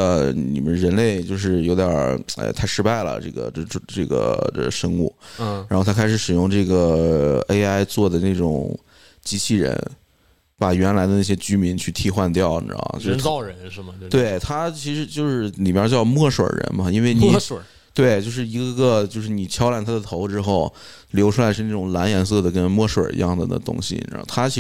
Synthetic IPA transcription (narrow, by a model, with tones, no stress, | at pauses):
ə˧nḭ˨˩mə˦nɻə˧˥nle˥˩ɪt͡ɕjo˥˧ʊʂ̬ɻ̩˥˩jo˧˥ʊd̪ḛ˧˩ɪt̪ʰa˥ɪʂɻ̩˥pa˥˩ɪlə̰˩ʈ͡ʂɤ̰˥˩ɡə̰˩˧ʈ͡ʂʈ͡ʂɤ̰˥˩ɡə̰˩ə˧ʂɤ˥ŋṵ˥˩˧ɻa˧˥xt̪ʰa˥kʰɪʂɻ̩˧˩˥ʂɻ̩˨˩jʊ˥˧ŋʈ͡ʂɤ˥˩ɡə˩e˥ɪa˥ɪt͡swɔ˥˩d̪ə˩na˥˩ʈ͡ʂʊ̰˨˩ŋ | t͡ɕi˧˥t͡ɕʰi˥˩ɻə̰˧˥n | pa˨˩ɥɛ˧˥nla˧˥ɪd̪ə˧na˥˩ɕjɛ˥t͡ɕy˥mi˧˥nt͡ɕʰy˥˧t̪ʰi˥˧xwa˥˧nt̪jɑ˥˩ʊn̰˧˥˩t͡ɕjo˥˧ʊ˧˥˧ɻə˧˥nʂ̩˥˩mə˧t̪we˥˩ɪɪt̪ʰa˥t͡ɕʰi˧˥ʂɻ̩˧˥t͡ɕjo˥˧ʊʂɻ̩˥˩li˨˩pjt͡ɕjɑ˥˧ʊmwɔ˥˩ʂwə̰˨˩ɻə̰˧˥nmɐ˧i˥nwe˥˩ɪni˨˩˨ | t̪we˥˩ɪt͡ɕjo˥˧ʊʂɻ̩˥˩i˧˥ɡə˧ɡə˧t͡ɕjo˥˧ʊʂɻ̩˥˩ni˨˩t͡ɕʰjɑ˥ʊla˧˥nt̪ʰa˥d̪ə˨t̪ʰo˧˥ʊʈ͡ʂɻ̩˥xo˥˩ʊ | ljo˧˥ʊʈ͡ʂʰu˥la˧˥ɪʂɻ̩˥˧na˥˩ʈ͡ʂʊ˨˩ŋla˧˥njɛ˧˥nsɤ˥˩d̪ə˩kə˥nmwɔ˥˩ʂwə̰˨˩ḭ˧˥jɑ̰˥˩ŋdə˩d̪ə̰˩t̪ʊ̰˥ŋɕḭ˩ɻa̰˧˥xo˥˧˩t̪ʰa˥t͡ɕʰi˧˥